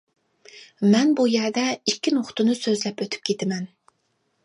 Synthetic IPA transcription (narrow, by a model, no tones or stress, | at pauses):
mɛnbujɛɾd̪ɛikʲʰːinoχt̪ɨnɨsøzlɛpøt̪ʰy̥p̚kʲʰet̪ʰɪmɛn